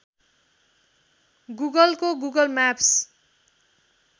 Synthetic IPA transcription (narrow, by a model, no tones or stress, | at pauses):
ɡuɡʌlkoɡuɡʌlmaps